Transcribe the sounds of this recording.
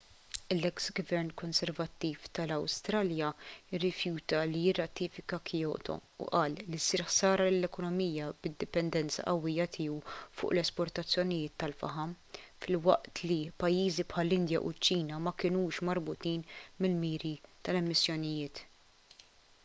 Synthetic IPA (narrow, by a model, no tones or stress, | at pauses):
lːɛksɡvɛɾnkɔnsɛɾvɐt̪ːiːft̪ɐlɐwst̪ɾɐːljɐɪrːɪfjuːt̪ɐlijɪrːɐt̪iːfɪkɐkʰɪjɔːt̪ʰɔ̰ṵʔɐːlːisiːɾħsɐːɾɐlɪlːɛkɔnɔmiːjɐbɪd̪ːɪpɛnd̪ɛnt͡sɐ̰ʔɐwːɪjːɐt̪ʰɪːuwfʊ̰ːʔlɛspɔɾt̪ɐt͡sːjɔnɪjɪːt̪ːɐlfɐ̰ħɐm | fɪlwɐ̰ʔt̪lipɐjːiːzipħɐlːɪnd̪jɐ̰ʔʊ̰t͡ʃːiːnɐmɐkɪnuːʃmɐɾbʊt̪iːnmɪlmiːɾit̪ɐlɛmːɪsːjɔnɪjɪːt̪